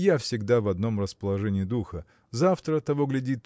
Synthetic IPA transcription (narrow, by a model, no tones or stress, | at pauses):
jafsʲɪɡd̪avɐd̪no̞mrəspəlˠɐʐɛnʲɪːd̪uxə | zaft̪ɾət̪ɐvo̞ɡlʲɪdʲit̪